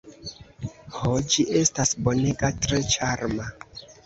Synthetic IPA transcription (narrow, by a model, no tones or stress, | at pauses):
hod͡ʒiʔe̞stasbo̞neɡatɾe̞t͡ʃaɾma